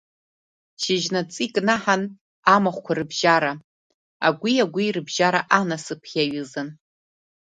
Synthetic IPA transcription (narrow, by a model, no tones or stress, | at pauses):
ʃɪʒnat͡sʼikʼnaħan | amaχʷkʷʰarɨbʒaɾa | a̰ɡʷiaɡʷirɨbʒaɾaʔanasɨpʰʲaɥɨzɨn